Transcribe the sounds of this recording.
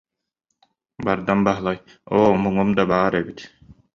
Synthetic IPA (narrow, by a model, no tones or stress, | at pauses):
baɾd̪anbaɦlˠaj | oːmɯŋumd̪abaːɾɛbit̪